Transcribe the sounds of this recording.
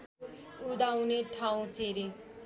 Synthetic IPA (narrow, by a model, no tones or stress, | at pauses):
ud̪aw̃neʈʰaũt͡seɾi